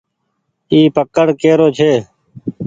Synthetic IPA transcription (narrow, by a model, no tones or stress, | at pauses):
iːpəkəɽkeːɾoːt͡ʃʰeː